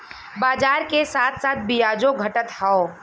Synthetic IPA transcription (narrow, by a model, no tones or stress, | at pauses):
baːd͡ʒaːɾkesaːt̪ʰsaːt̪̚ʰbijaːd͡ʒõɡʱɐʈət̪hao